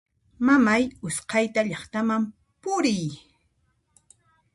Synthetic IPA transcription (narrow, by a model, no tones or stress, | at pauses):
mamajʊsqɑjt̪aʎɑχt̪amam | pʊɾɪj